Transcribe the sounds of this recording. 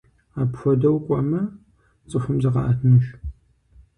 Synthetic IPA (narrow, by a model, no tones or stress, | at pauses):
aːpxʷɔdɐwkʷʼɔmɐ | t͡sʼɨħʷʊmzɨʁɑ̰ʔatʰnɨʃ